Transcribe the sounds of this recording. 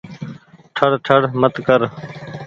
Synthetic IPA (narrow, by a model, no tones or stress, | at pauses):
ʈʰəɽʈʰəɽmət̪kəɾ